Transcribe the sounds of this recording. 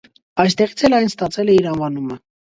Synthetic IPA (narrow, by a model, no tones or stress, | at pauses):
ɑjs̬t̪ɛʁit͡sʰɛlɑjnst̪ɑt͡sʰɛlɛiɾɑnvɑnumə